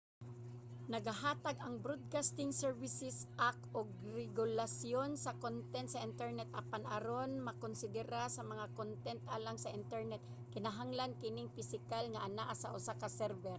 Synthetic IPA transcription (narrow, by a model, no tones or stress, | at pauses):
nɐɡaɦaːt̪aɡʔɐŋbɾod̪̚kast̪ɪŋsɛɹvɪsɪsʔakʔoɡ̚ɾɛɡʊlasjonsɐkont̪ɛnt̪sɐʔɪnt̪ɛɹnɛt̪ʔɐpanʔɐɾonmɐkonsɪd̪ɛɾasɐmɐŋakont̪ɛnt̪ʔaːlaŋsɐʔɪnt̪ɛɹnɛt̪̚ | kɪnɐɦaŋlankɪnɪŋfɪsɪkalŋɐʔɐnaʔasɐʔʊsakɐsɛɾvɛɾ